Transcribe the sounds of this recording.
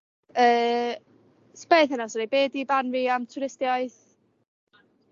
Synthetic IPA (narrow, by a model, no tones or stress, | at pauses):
əː | spejθənasɔɾebeːdibanviːamtʰʊɾɪstjaɨθ